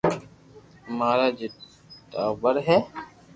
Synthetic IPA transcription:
maːɾad͡ʒɪt | taːbəɾɦɛː

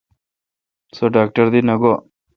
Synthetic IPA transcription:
soɖaːk̚ʈəɾd̪inɐɡo

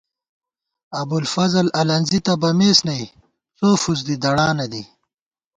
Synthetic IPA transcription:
ɐbulfɐzɐlɐlɐnzit̪ɐbɐmeːsnɐj | t͡soːfuzd̪id̪ɐɽaːnɐd̪i

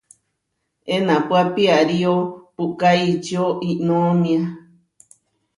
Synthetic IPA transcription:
enãpapiaɾiopukait͡ʃioʔinõmĩã

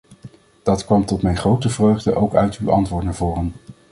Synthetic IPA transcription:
d̥ɑtkʋɑmtɔtmɛjnχrowtəvrøɥχdəʔowkœ̰ɥtywɑ̰ntʋʊːɹtnaːɹvʊːrən

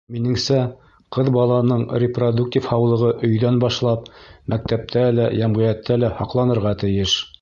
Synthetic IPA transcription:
minɘ̆ŋsæ | qɤðbɑlˠɑnɤɴrʲɪprod̪uktʲifhɑwlˠɤ̆ʁɤʔɵ̆jðænbɑʃlˠɑp̚mæk̚t̪æp̚t̪ʰælæjæmʁɤ̆jæt̪ːælæhɑqlˠɑnɤ̆ɾʁɑt̪ɘ̆jɘʃ

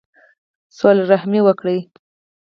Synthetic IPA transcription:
solɾahmiwəkɽə

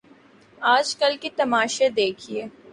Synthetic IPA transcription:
aːd͡ʒkəlkit̪ɐmaːʃed̪eːkʰieː

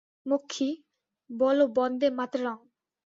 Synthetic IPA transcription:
mokʰːi | bɔlobɔnd̪emat̪ɾɾaŋ

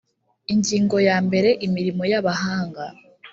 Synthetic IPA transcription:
iɲɟiːŋɡo̞jaːmbe̞ɾe̞ʔimiɾimo̞jaβaɦaːŋɡa

